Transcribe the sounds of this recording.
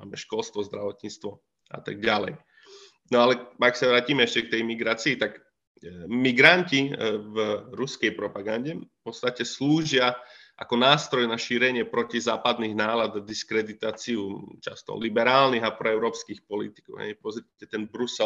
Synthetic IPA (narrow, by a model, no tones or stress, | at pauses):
ma̰ːmɛʃkɔlst̪ʋɔzd̪ɾaʋɔt̪ɲit͡st̪ʋɔ | ʔa̰t̪aɡ̚ɟalɛ̰j | nɔalɛaksaʋɾaːciːmɛɛʃcɛk̚t̪ɛjmiɡɾaːt͡siːt̪ak | miɡɾancivɾuskɛjpɾɔpaɡanɟɛfpɔt̪st̪acɛsluːʒɪaʔakɔnaːst̪ɾɔjnaʃiːɾɛɲɪɛpɾɔcizaːpad̪niɣnaːlad̪d̪iskɾɛd̪it̪aːt͡siut͡ʃa̰st̪ɔ̰libɛɾaːlniɣapɾɔɛʊɾɔːpskiːxpɔlit̪i̥kɔ̰ʊɦɛ̰jpɔzɾɪcɛt̪ɛnbɾusɛ